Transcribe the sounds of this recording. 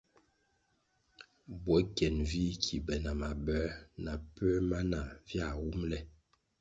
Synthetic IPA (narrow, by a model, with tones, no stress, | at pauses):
bwɔ˨˦kɛ˨nvi˦kʰi˨bɛ˨na˨ma˨bɛ˦na˨pɛ˦ma˦na˨vja˦˨wu˦mlɛ˦˨